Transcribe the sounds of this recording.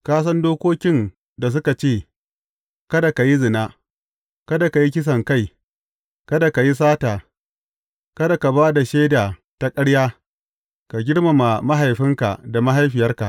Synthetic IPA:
kaː˦s̬ɐ˦ndoː˦kʷoː˦kʲɪ˦n | da˨s̬ʊ˦ka˨t͡ʃeː˦˨ | kɐ˦da˨ka˨ji˦zɪ˨naː˦ | kɐ˦da˨ka˨ji˦kʲɪ˦s̬ɐ˨ŋka˦˨j | kɐ˦da˨ka˨ji˦s̬aː˦taː˨ | kɐ˦da˨ka˨baː˦da˨ʃeː˦daː˨ | ta˦kʼɐ˦ɽjaː˦ | ka˨ɡʲɪ˦ɽma˨ma˨ma˦ɦa˨jɸɪ˦ŋka̰˨da˨ma˦ɦa˦jɸɪ˨jɐ˦rka˨ʔ

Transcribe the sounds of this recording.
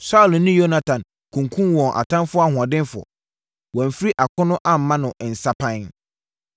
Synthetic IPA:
sa˦˨lnʊ̃˦jo˦na˦tʰã˨n | kʰũ˨ŋkʰũ˦mwɔ̃˨ŋʔa̰˨tʰã˦nfʊ˦a˦hʊ̃˨ã˨dɪ̃˦nfʊ˨ɔ̰˨ | wɔ̃˨m̩˨fi˦ɾi˦ʔa˨kʰʊ̃˦nʊ̃˦ʔa˦m̩˨mã˦nʊ̃˨ʔn̩˨sa˦pʰã˦n

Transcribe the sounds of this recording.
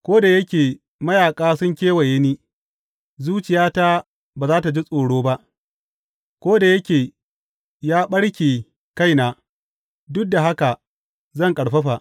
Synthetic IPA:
kʷoː˦da˨jɐ˦kʲeː˨ | mɐ˦jaː˨kʼaː˦sʊ˦ŋkʲeː˦wɐ˨je˦niː˦ | zuː˦t͡ʃɪ˨jaː˦ta˦ | baː˨zaː˦ta˨d͡ʒi˦sʼoː˨ɽoː˦ba˦ʔ | kʷoː˦da˨jɐ˦kʲeː˨ | jaː˦ɓɐ˦ɽkʲeː˨ | ka˦jnaː˨ | dʊ˦k̚da˨ɦa˦ka˨ | zɐ˦˨ŋkʼɐ˨ɽɸɐ˦ɸa˨ʔ

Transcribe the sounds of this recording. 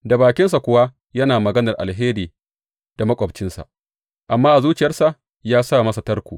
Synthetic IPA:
da˨baː˨kʲɪ˦ns̬a˨kʷʊ˦wa˦ | jɐ˦naː˨mɐ˨ɡɐ˦nɐ˨rʔa̰˨lɦeː˦diː˨ | d̥a˨mɐ˦kʷʼɔ˨bt͡ʃɪ˦nsa̰˨ʔ | ʔa˨mːaː˦ʔa˨zuː˦t͡ʃɪ˨jɐ˦rsa˨ʔ | jaː˦sa˦˨mɐ˦sa˨tɐ˦rkʷuː˨

